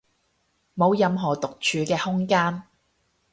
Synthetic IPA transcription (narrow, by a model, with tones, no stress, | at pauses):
mo˨˧wjɐ˨˧mɦɔː˨˩t̪ʊ˨k̚t͡ʃʰyː˨˧kɛː˧hʊ˥ŋkaː˥n